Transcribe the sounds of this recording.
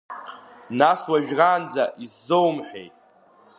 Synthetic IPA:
naswaʒᶣraːnd͡zaʔizːowmħᶣḛjtʼ

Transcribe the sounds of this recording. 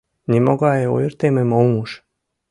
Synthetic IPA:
nʲemoɣɑjeo̰jərt̪ememolmuʃ

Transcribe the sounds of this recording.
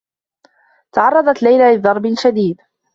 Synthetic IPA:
t̪ɑʕɑrˤːɑd̪ˤɑt̪lajlaːlɪðɑɾˤbɪlʃad̪iːd̪

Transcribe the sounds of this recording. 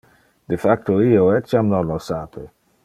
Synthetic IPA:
d̪efak̚toioɛt͡ʃamnɔnɔsapʰe

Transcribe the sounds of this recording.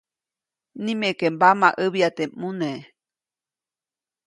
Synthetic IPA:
nĩmekembamaʔɨβiat̪emune

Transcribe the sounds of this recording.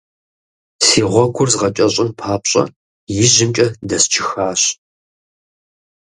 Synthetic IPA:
siːʁʷɔkʷʰʊrzʁɐt͡ʃʼɐɕʼɪnpʰaːpɕʼɐ̰ | jɪʑɪmt͡ʃʼɐdɐst͡ʃʰɪxaːɕ

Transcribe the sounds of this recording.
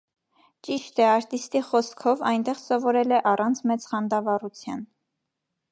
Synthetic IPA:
t͡ʃiʃt̪ɛɑɾt̪ist̪iχɔskʰɔvɑjnt̪ɛʁsɔvɔɾɛlɛʔɑrɑnt͡sʰmɛt͡sχɑnd̪ɑvɑrut͡sʰjɑn

